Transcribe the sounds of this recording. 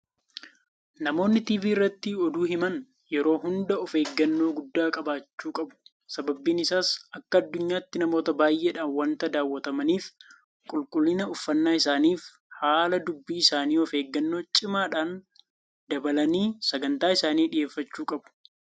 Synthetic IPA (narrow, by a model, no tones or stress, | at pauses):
nɐmo̞ːnːɪt̪iːviːɪrːɐt̪ːɪɔd̪uːɦɪmɐn | jɛɾo̞ːɦʊnd̪ɐɔfe̞ːɡːɐnːo̞ːɡʊd̪ːaːkʼɐbaːt͡ʃːuːkʼɐbʊ̥ | sɐbɐbiːnɪsaːsʔɐkːɐɐd̪ːʊɲːaːɪt̪ːɪnɐmo̞ːt̪ɐbaːjʔeːᶑaːnwɐnt̪ɐd̪aːwːɐt̪ɐmɐniːf | kʼʊlkʼʊlːɪnɐʊfːɐnːaːɪsaːniːf | haːlɐd̪ʊbːiːɪsaːniːɔfe̞ːɡːɐnːo̞ːt͡ʃʼɪmaːᶑaːn | d̪ɐbɐlɐniːsɐɡɐnt̪aːɪsaːniːᶑɪjʔeːfːɐt͡ʃːuːkʼɐbʊ̥